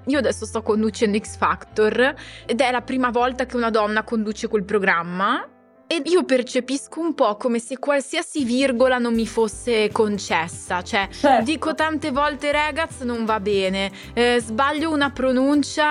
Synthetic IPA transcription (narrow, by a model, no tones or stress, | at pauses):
iːoad̪ɛsːost̪ɔkːond̪ut͡ʃɛnd̪oiksfakt̪ored̪ɛlapɾiːmavɔlt̪ak̟eunad̪ɔnːakond̪uːt͡ʃekwelpɾoɡɾamːa | eiːopert͡ʃepiskoumpɔkːomesekːwalsiasivirɡolanomːifosːekont͡ʃɛsːat͡ʃoɛd̪iːkot̪ant̪evɔlt̪eɾɛːɡat̪snoɱvabɛːne | zbaʎːounapɾonunt͡ʃa